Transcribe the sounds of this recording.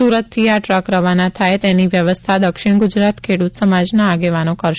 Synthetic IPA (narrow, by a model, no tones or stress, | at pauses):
uɾət̪ʰːiaʈɾəkɾəʋanat̪ʰajt̪eniʋjəʋəst̪ʰad̪əkʃɪɳ̃ɡud͡ʒɾat̪kʰeɽut̪səmad͡ʒnaːɡeʋanokəɾʃ